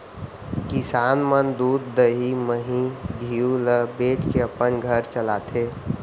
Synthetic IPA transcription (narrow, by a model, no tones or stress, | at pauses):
kisaːnmənd̪uːd̪ːəɦiməɦĩɡʱiuləbeːʈkeəpənɡʱəɾt͡ʃəlaːt̪ʰeː